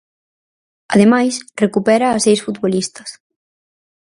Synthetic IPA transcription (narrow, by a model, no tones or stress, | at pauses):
ɐ̰ðemajsrekupɛɾaːsejsfut̪βolist̪ɐ̥s